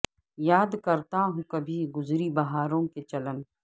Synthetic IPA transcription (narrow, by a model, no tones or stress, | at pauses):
jaːd̪kɐɾt̪aɦũkɐbʱiɡʊzɾibɐɦaːɾõket͡ʃɐlən